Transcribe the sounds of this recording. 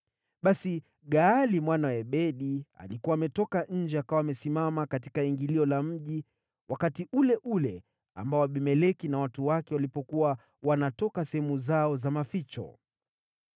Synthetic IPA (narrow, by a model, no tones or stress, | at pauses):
ɓasi | ɠaːlimwanaɛɓɛɗia̰likuwaːmɛtɔkaɲ̩d͡ʒɛakawaːmɛsimamakatikaiŋɡiliɔlam̩ʄi | wakatiʔulɛʔulɛ | a̰mbaɔaɓimɛlɛkinawatuwakɛwalipɔkuwa | wanatɔkasɛhɛmuzaɔzamafit͡ʃɔ̰